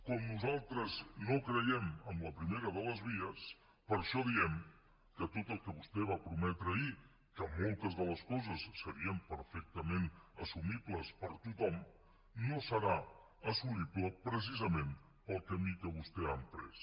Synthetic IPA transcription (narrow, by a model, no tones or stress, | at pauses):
kɔmnuzalˠt̪ɾəznokɾəjɛməmləpɾimeɾəðələzβiəs | pəɾʃɔðiɛm | kət̪ot̪əlˠkəβust̪ɛβ̞apɾumɛt̪ɾəi | kəmolˠt̪əzðələskɔzəsːəɾiəmpəɾfɛk̚t̪əmenəsumibləspəɾt̪ut̪ɔm | nosəɾa | əsumipləpɾəs̬izəmen | pəlˠkəmikəβust̪ɛəmp̪ɾɛ̰s